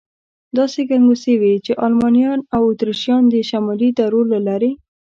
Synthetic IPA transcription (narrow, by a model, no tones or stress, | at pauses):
d̪ɑseɡaŋɡosewit͡ʃeʔɑlmɑnjɑnawʊt̪ɾiʃjɑnd̪əʃamɑlid̪aɾolalɑɾe